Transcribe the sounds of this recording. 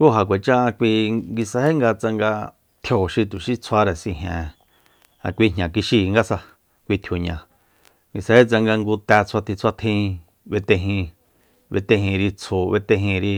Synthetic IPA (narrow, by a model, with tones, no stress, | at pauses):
ku˦ɦa˨k̬ʷe˨t͡ʃã˦a˧kʷi˧ɡi˧sa˧he˦ŋɡa˧t͡sa˧ŋɡa˧ | t̪ʰjo˨ʃi˧t̪u˨ʃi˦t͡sʰwa˧ɾe˨sĩ˧ɦḛ̃ː˨ | ã̰˨kʷi˧ɲɲã˨k̬i˧ʃi˧ŋɡa˦sa˧ | kʷi˧t̪ʰjo˨ɲã˨ | ŋɡi˧sa˧he˦t͡sa˧ŋɡa˧ŋɡu˧t̪ɛ˧t͡sʰa˧t̪ʰi˧t͡sʰa˧t̪ʰĩ˦˧ | βe˧t̪ẽ˧ɦĩ˧ | βe˧t̪ẽ˧hĩ˧ɾi˧t͡sʰo˧βe˧t̪ẽ˧ɦĩ˧ɾi˧